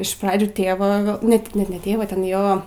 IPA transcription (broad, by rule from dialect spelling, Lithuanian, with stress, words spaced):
ɪʃ ˈprɑːd͡ʒʲʊ ˈtʲeːʋɐ ˈnʲɛt nʲɛt nʲɛ ˈtʲeːʋɐ ˈtʲɛn ˈjoː